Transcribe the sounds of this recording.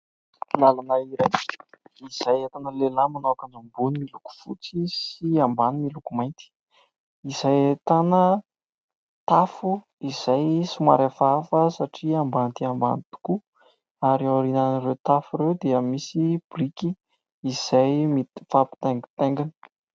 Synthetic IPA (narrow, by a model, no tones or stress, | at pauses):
lalanaiɾajiz̥ajet̪anəlelamanoakanambunimiluku̥fṵt͡sisiambanimilukumajnt̪i̥ | izajet̪anə | t̪afu | iz̥ajsuma̰ɾafafəsaʈ͡ʂiambant̪iamba̰nit̪u̥ku | aɾawaɾinanirewt̪afuɾewd̪eəmisib̥rikiː | z̥ajmifapi̥t̪eŋɡit̪eŋɡani̥